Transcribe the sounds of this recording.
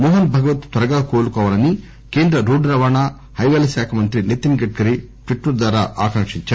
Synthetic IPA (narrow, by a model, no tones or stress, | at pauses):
moːɦɐnbʱɐɡɐʋɐt̪t̪ʋɐɾɐɡaːkoːlukɔːʋaːlɐni | keːnd̪ɾɐɾuːɖɾɐʋaːɳaː | hɐjʋɐːlɐʃaːkʰɐmɐnt̪ɾinit̪ːinɡɐʈ̚kɐɾi | ʈʋiʈːɐɾd̪ʋaːɾa̰ːʔaːkɐŋʂiɲt͡ʃaːɾu